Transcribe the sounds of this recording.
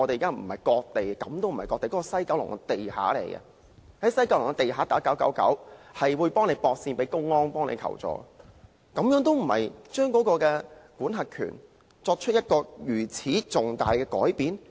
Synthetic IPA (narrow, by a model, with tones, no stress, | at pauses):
ɔ˨˧t̪e˨jːkaː˥m̩˨˩hɐ˨˩jkɔː˧k̚t̪e˨jkɐ˨˥mt̪o˥wm̩˨˩hɐ˨˩jkɔː˧k̚t̪e˨jkɔː˨˥kɔ˧sɐ˥jkɐ˨˥wlʊ̰˨˩ŋkɛ˧t̪e˨jha̰ː˨˥lḛ˨˩jkɛ̰˧ | hɐ˨˥jsɐ˥jka˧˥wlʊ˨˩ŋkɛ˧t̪e˨jɦaː˨˥t̪aː˨˥kɐ˨˥kɐ̰˨˥wkɐ̰˨˥whɐ˨jwuː˨˧jpɔː˥ŋne˨˧jpɔː˧k̚siː˧npe˨˥jkʊ˥ŋːɔː˥npɔː˥nḛ˧jkʰɐ̰˨˩wt͡sɔ̰ː˨˥ | kɐ˨˧mjœː˨˥ŋt̪o˥wm̩˨˩hɐ̰˨jt͡ʃœː˥ŋkɔː˨˥kɔː˧kɛː˧kuː˨˥nɦɐ˨t̚kʰy̰˨˩n | t͡sɔː˧k̚t͡ʃʰɵ˥t̚jɐ˥t̚kɔː˧jyː˨˩t͡sʰiː˨˥t͡sʊ˨ŋt̪aː˨jkɛː˧kɔ̰ː˨˥jpiː˨˥n